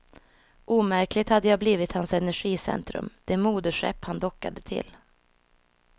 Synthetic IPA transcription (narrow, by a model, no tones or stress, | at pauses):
ʔuːmæɾklɪɡ̚t̪had̪ːəjaːbliːvɪt̪hansɛnæɧiːsɛ̰nt̪ɾɵ̰md̪̥ɛmuːd̪əʂɛ̰pːhand̪ɔkːa̰d̪ət̪ʰɪ̰l